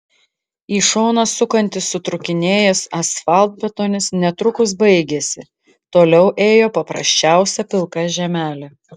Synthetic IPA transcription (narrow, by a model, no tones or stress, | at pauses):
iːʃoːnɐsʊkɐnʲt̪ʲɪsːʊt̪ɾʊkʲɪnʲeːjɛsɐsfɑˑlˠt̪̚bʲɛt̪oːnʲɪsnʲɛt̪ɾʊkʊsbɐɪɡʲesʲɪ | t̪oːlʲɛʊʔeːjoːpɐpɾɐ̰sʲt͡ʃʲæˑʊsʲɛpʲɪlˠkɑʒʲɛmʲæːlʲɛ